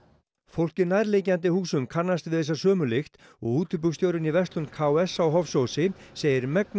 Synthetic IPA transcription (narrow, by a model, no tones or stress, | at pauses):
fowl̥cɪnaːðɾlejcant̪̬ɪhuːsʏmkʰanːast̪vɪðɛs̬ːasœːmʏlɪxt̪ | ɔɣuːt̪ʏp̬ʏkst̪joːwɾʏnivɛst̪lʏnkʰaːwɛsawɦɔfsowsɪseːjɪɾmɛkn